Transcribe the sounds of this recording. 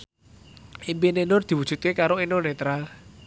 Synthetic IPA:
ʔimpinenʊrd̪̥i̤wud̥ʒ̥ṳt̪̚kekaɾoinonet̪ɾal

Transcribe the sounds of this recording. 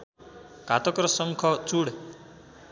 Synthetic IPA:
kat̪ɔkɾɔsɔŋkʰɔt͡suɽ

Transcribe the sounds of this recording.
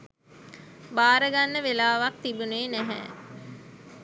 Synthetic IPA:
baːɾəɡanːəʋelaːʋak̚t̪ibuneːnæɦɛ̰ː

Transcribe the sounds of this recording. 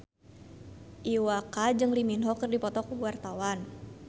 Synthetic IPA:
ʔiwakad͡ʒɨŋliminɦɔkərdipɔt̪ɔkuwart̪awan

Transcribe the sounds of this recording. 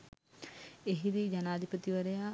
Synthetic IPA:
eɦid̪id͡ʒanaːd̪ʱipət̪iʋɐɾejaː

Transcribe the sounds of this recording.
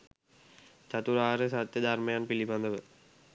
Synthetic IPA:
t͡ɕɐt̪uɾaːɾesat̪jɐd̪ʱarmɐjaːnpilibɐnd̪ɐʋə

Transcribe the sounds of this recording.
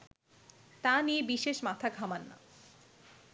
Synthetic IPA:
t̪aniebiʃeʃmat̪ʰaɡʱamanːa̰

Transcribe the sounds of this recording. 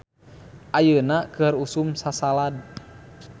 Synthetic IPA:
ʔajənakɨrusumsasalad̚

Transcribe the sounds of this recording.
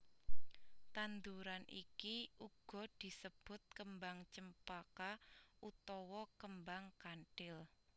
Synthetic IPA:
t̪and̪uɾanʔḭkiʔuɡ̥ɔ̤d̪̥i̤səb̥ʊ̤t̪̚kəmbaŋt͡ʃəmpakaʔut̪ɔwɔkəmbaŋkaɳɖ̥ɪl

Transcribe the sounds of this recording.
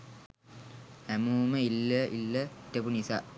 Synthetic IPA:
hæmuːməilːəʔḭlːətːepunisaːʔ

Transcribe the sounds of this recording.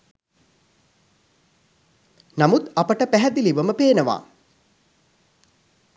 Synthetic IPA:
namut̪apəʈəpæɦɛd̪iliʋəməpeːnəʋa̰ː

